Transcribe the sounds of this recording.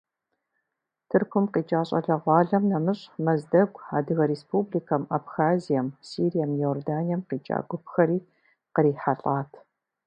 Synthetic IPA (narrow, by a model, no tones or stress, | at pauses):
tʰɨrkʷʊmqiːt͡ʃʼaːɕʼɐ̰ɮɐʁʷɑːɮɐmnɐmɨɕʼmɐzdɐɡʷaːdɨɣɐɾespublikʰɐmabxaːzijɐmsiːɾijɐmjoːrdaːnijɐmqiːt͡ʃʼa̰ːɡʷʊpxɐɾiː | qəɾiːħaɬʼaːtʰ